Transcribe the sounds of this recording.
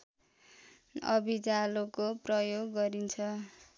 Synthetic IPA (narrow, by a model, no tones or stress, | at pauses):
ʌbid͡zalokoprʌjoɡːʌɾint͡sʰʌ